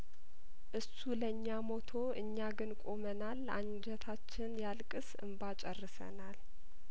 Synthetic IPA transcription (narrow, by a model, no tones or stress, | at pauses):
ʔɨsuləɲːamo̞t̪ʰo̞ʔɨɲːaɡɨnkʼo̞mənala̰ɲd͡ʒɛt̪ʰat͡ʃːɪnjalkʼɨsɨ̰mbat͡ʃʼərːɨsə̰nal